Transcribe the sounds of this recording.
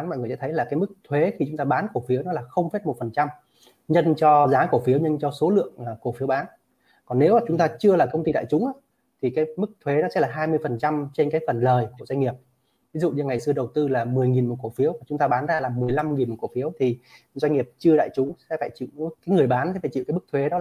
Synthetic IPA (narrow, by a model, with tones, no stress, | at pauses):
nmɔ̰˧˨jŋɨ˨˩əsɛ̰˧˥t̪ʰjlaː˨˩kaː˨˦jmɨ˦˥k̚t̪ʰwe˨˦xi˧t͡ɕʊ˨˦ŋ͡mt̪aː˧ɓaː˨˦nko˧˩fi˨˦wnɔ˨˦laː˨˩xə˧wŋ͡mfe˦˥t̚mo˨˩t̚fə˨˩nt͡ɕa˧m | ɲə˧nt͡ɕɔ˧zaː˨˦ko˧˩fi˨˦əwɲə˧nt͡ɕɔ˧so˨˦lɨ̰˧˨əŋaː˨˩ko˧˩fi˨˦əwɓaː˨˦n | kɔ˨˩nːe˨˦wmaː˨˩t͡ɕʊ˨˦ŋ͡mt̪aː˧t͡ɕɨ˧əlaː˨˩kə˧wŋ͡mt̪i˧ɗa̰ː˧˨jt͡ɕʊ˨˦ŋ͡mʔaː˨˦ | t̪ʰi˨˩kaː˨˦jmɨ˦˥k̚t̪ʰwe˨˦nɔ˨˦sɛ̰˧˥laː˨˩ɦaː˧jmɨ˧əjfə˨˩nt͡ɕa˧mt͡ɕe˧nkaː˨˦jfə˨˩nləː˨˩jku˧˩za˧ŋ̟ŋi˨˩əp̚ | vi˨˦zṵ˧˨ɲi˧ŋa˨˩jsɨ˧əɗə˨˩wt̪ɨ˧laː˨˩mɨ˨˩əjŋi˨˩nmo˨˩t̚ko˧˩fi˨˦əwmaː˨˩t͡ɕʊ˨˦ŋ͡mt̪aː˧ɓaː˨˦nzaː˧laː˨˩mɨ˨˩əjla˧mŋi˨˩nmo˨˩ko˧˩fi˨˦əwt̪ʰi˨˩ | zwa˧ŋ̟ŋi˨˩əp̚t͡ɕɨ˧əɗa̰ː˧˨jt͡ɕʊ˨˦ŋ͡msɛ̰˧˥faː˧˩jt͡ɕḭ˧˨wkaː˨˦jŋɨ˨˩əjɓaː˨˦nsɛ˧˦faː˧˩t͡ɕḭ˧˨kaː˨˦˥k̚t̪ʰwe˨˦nɔ˨˦l